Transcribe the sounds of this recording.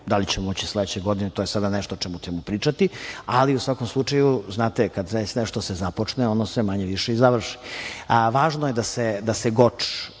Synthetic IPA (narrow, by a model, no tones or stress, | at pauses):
d̪alit͡ɕemomot͡ɕisld̪et͡ɕeɡo̞d̪inet̪ojesad̪aneʃt̪ot͡ʃɛmut͡ɕemupɾiːt͡ʃat̪ialiusʋako̞mslˠut͡ʂajuznaːt̪ekad̪ɾet͡ɕnɛʃt̪osezapo̞t͡ʂneonosemaɲeʋiʂeizaʋr̩ʂi̥ | ʋaːʒnojed̪ased̪aseɡot͡ʂ